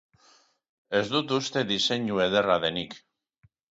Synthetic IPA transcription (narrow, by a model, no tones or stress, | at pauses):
ezd̪ut̪ust̪e̞ðise̞ɲueðeraðenik